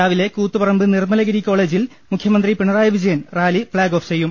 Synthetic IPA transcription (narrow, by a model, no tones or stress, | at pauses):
aːʋile̞kuːt̪ːɨpɐrɐmbɨnirmɐlɐɣɐɾikʲːo̞ːɭe̞ːd͡ʑil | mukʰjɐmɐnd̪ripiɳɐraːjɐʋid͡ʑɐjɐnraːlifɭaːɡo̞ːft͡ɕe̞jːum